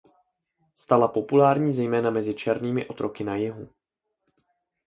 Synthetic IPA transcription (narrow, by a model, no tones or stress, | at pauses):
st̪alapo̞pulaːɾɲiːzɛjmɛːnamɛzɪt͡ʃɛɾniːmɪʔo̞t̪ɾʔo̞kɪnajɪɦu